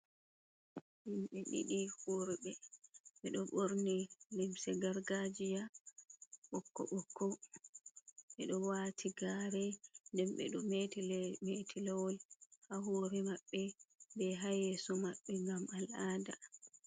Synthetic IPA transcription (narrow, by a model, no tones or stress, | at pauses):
himɓɛɗḭɗihuɾibɛɓɛɗɔɓoɾnilimsɛɡaɾɡad͡ʒija | ɓɔkːɔ̰ɓɔkʰːɔ | ɓɛɗɔwatʰiɡaːɾɛndɛmɓɛ̰ɗɔmetilɛmetʰilɛwɔlhaɦoɾɛmaɓːɛbɛɦajɛsɔmaɓːɛŋɡamalaːda